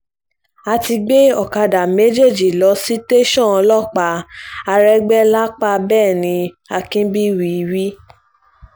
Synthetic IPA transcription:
a˧ti˧ɡ͡be˦ɔ˦˨ka˧da˨me˨˦d͡ʒe˦˨d͡ʒi˨lɔ˧˦si˦te˦ʃɔ̃˦˨ɔ˧lɔ˦˨k͡pa˧˦a˧ɾɛ˦ɡ͡bɛ˦la˦k͡pa˦bɛː˦˨nĩ˧ | a˧kĩ˦bi˦wi˧wi˦

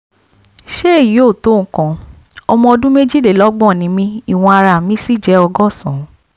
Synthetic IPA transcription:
ʃe˦˨ji˨˦o˦˨to˨˦˨kã˨ | ɔ˧mɔ̃˧ɔ˧dũ˦me˦d͡ʒi˦de˨lɔ˦ɡ͡bɔ̃˦˨nĩ˨˧˦mĩ˧i˦˨w̃ɔ̃˧a˧ɾa˧˨mĩ˧˦si˦˨d͡ʒɛ˨˦ɔ˧ɡɔ˦˨sɔ̃˨˦

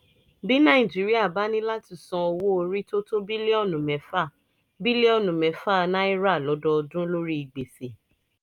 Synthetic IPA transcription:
bi˦nã˦˨ĩ˨d͡ʒi˨˦ɾi˦a˦˨ba˨˦nĩ˦la˦ti˧˨sɔ̃˧o˧wo˦o˧ɾi˦to˦to˦bi˦le˦ɔ˦˨nũ˨mɛ̃˨˦fa˦˨ | bi˦le˦ɔ˦˨nũ˨mɛ̃˨˦fa˦˨nã˦i˦ɾa˦˨lɔ˨˦dɔ˧ɔ˧dũ˦lo˦ɾi˦i˨ɡ͡be˨se˨

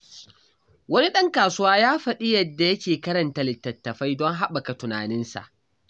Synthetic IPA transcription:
wɐ˦ni˦ɗɐ˦ŋkaː˨sʊ˦waː˦jaː˦ɸɐ˨ɗɪ˦jɐ˨dːa˨jɐ˦kʲeː˨kɐ˦ɾɐ˨nta˨lɪ˨tːɐ˨tːɐ˨ɸa˦jdɔ˦ŋɦa˦ɓa˨ka˨tʊ˨na̰ː˨nɪ˦nsa̰˨ʔ

